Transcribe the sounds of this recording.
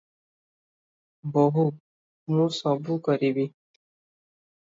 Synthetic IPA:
bɔɦu | mũsɔbʱukʌɾibi

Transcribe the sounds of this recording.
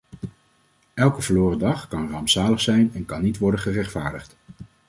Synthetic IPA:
ɛlˠkəvəloːrədɑχkɑnrɑmsaːləχsɛjnɛnkɑnːitʋɔɹdənχərɛχtfaːɹdəχt

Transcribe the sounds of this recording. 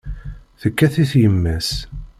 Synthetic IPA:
θəkːæθiθjəmːæs

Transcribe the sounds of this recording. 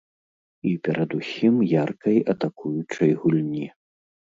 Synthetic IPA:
ipʲɛɾʔɐd̪usʲimjarkɐjɐt̪akʰujut͡ʂɐjɣulʲnʲi

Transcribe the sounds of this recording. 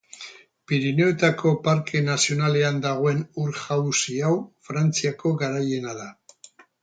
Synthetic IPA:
piɾine̞ot̪akʰo̞paɾkʰe̞nasio̞nale̞and̪aɣ̞o̞e̞nuɾʝawsiawfɾant͡siako̞ɡaɾaje̞naða

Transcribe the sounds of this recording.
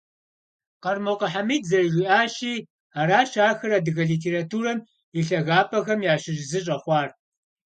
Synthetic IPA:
qɐrmoqɐħamiːdzɐrʒʷiʔaːʃiː | aːɾaːt͡ʃʰaːxɐɾadɨɣɐɮiːtʰeːratʰuːɾɐm | iɬɐɣaːpʰɐxɐmjaːɕɪʒzɨɕʼɐχʷɑːr

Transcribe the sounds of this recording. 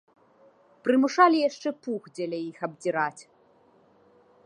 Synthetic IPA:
pɾɨmuʂalʲijaʂt͡ʂɛpuɣd͡zʲɛlʲɛjixɐbd͡zʲiɾat͡sʲ

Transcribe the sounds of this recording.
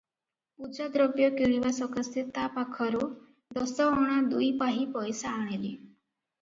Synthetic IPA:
pud͡ʒad̪ɾɔbjɔkiɭiʋasɔkʰɔst̪ʰit̪apakʰɔɾu | d̪ɔsɔɔɽ̃ad̪ujpaɦipɔjsaːɽ̃eli

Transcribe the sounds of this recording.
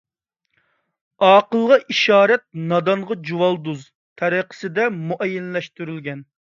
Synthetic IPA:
ɑːqəlˠʁɑʔiʃɑːɾɛt̪̚nɑd̪ɑɴʁɑd͡ʒuwɑlˠd̪uz | t̪ʰɛɾiqʰə̥sɪd̪ɛmuʔɛjːɛnlɛʃt̪yɾylɡʲɛn

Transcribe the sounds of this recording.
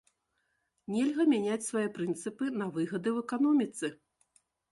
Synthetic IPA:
nʲɛlʲɣɐmʲanʲat͡sʲsvajɛpɾɨnt̪sɨpɨnɐvɨɣɐd̪ɨwɛkanɔmʲit̪sɨ

